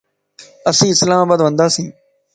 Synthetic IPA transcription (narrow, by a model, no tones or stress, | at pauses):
əsĩːɪslaːmaːbaːd̪ʋə̃nd̪aːsĩː